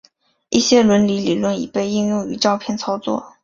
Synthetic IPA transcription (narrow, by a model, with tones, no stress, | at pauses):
i˥˩ɕjɛ˥lwə˧˥nli˧˥li˨˩lwə˥˩nḭ˨˩pe˥˧ɪi˥˧ŋjʊ˥˧ŋy˧˥ʈ͡ʂɑ˥˧ʊpʰjɛ˥˩nt͡sʰɑ˥ʊt͡swɔ̰˥˩